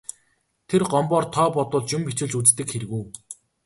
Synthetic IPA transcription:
t̪ʰerɢɔmpɔːrt̪ʰɔːpɔt̪ʊ̆ːɮt͡ɕʊmpit͡ɕɪ̆ɮt͡ɕut͡st̪ɘ̆kxeɾ̆ɣuː

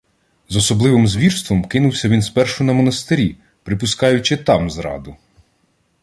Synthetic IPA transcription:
zɔsɔblˠɪʋɪmzʋʲirst̪ʋɔmkɪnʊwsʲɐʋʲinspɛrʃʊnɐmɔnɐst̪ɪɾʲi | pɾɪpʊskɑjʊt͡ʃɪt̪ɑmzɾɑ̰d̪ʊ

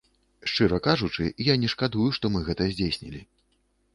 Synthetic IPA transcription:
ʂt͡ʂɨɾɐkaʐut͡ʂɨ̰ijanʲɛʂkad̪ujuʂt̪ɔmɨɣɛt̪ɐzʲd͡zʲesʲnʲḭlʲi

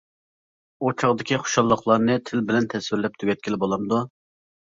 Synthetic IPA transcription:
ot͡ʃʰɑʁd̪ɪkʲiχo̥ʃɑlˠːəχlˠɑɾnɨt̪ʰɪlbɪlɛnt̪ʰɛswɪɾlɛp̚t̪ʰyɡʲɛt̪̚kʲilɪbolˠɑmd̪u

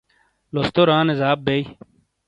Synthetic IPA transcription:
lost̪oɾaːnezaːb̚bej

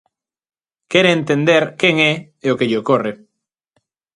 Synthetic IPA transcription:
keɾẽːnt̪ẽnd̪eɾkeŋɛ | eokeʎokore

